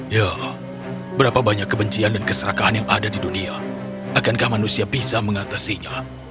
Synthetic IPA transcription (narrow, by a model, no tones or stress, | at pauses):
ja | bəɾapabaɲakːəbəɲt͡ʃiandankəsəɾakaɦanjaŋadadidunia | akankahmanusiabisaməŋat̪asiɲa